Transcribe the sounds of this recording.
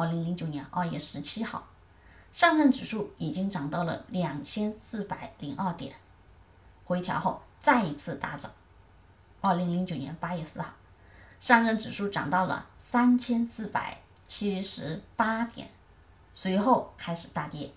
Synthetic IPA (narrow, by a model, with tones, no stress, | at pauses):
li˧˥ŋli˧˥ŋt͡ɕjo˨˩ʊnjɛ˧˥nʔə̰˞˥˧ɥɛ˥˩ʂɻ̩˧˥t͡ɕʰi˥xɑ̰˥˩ʊ | ʂɑ˥˧ŋɻə˥˩nʈ͡ʂɻ̩˨˩ʂu˥˩i˨˩t͡ɕi˥ŋʈ͡ʂɑ˨˩ŋt̪ɑ˥˩ʊlə̰˨˩ljɑ˨˩ŋt͡ɕʰjɛ˥nsɹ̩˥˩pa˨˩ɪli˧˥ŋʔɐ˥˩t̪jɛ̰˨˩˦n | xwe˧˥ɪt̪ʰjɑ̰˧˥ʊxo˥˧ʊt͡sa˥˩ɪi˧˥t͡sʰɹ̩˥˩t̪a˧˥t͡sɑ˨˩˦ | ɐ˞˥˩li˧˥ŋli˧˥ŋt͡ɕjo˨˩ʊnjɛ̰˧˥npa˥jɥɛ˥˧sɹ̩˥˧xɑ˥˩ʊ | ʂɑ˥˧ŋɻə˥˩nʈ͡ʂɻ̩˨˩ʂu˥˩ʈ͡ʂɑ̰˨˩ŋt̪ɑ˥˩ʊlə̰˩sa˥nt͡ɕʰjɛ˥nsɹ̩˥˩pa̰˨˩ɪ | t͡ɕʰi˥ʂɻ̩˧˥pa˥t̪jɛ̰˨˩˦n | swe˧˥ɪxo˥˩ʊkʰa˥ɪʂɻ̩˨˩t̪a˥˩t̪jɛ˥